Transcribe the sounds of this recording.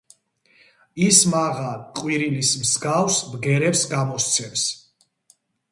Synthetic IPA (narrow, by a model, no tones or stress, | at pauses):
ismaʁaqʼwiɾilismsɡafsbɡɛɾɛpsɡamɔst̪sʰɛms